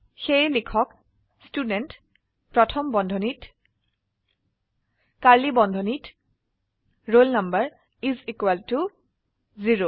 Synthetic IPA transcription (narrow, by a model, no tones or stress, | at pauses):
xejlikʰɔk | studɛnt | pɹɔtʰɔmbɔndʱɔnit | kaɹlibɔndʱɔnit | ɹolnʌmbaɹ | izikwɛltu | ziɹo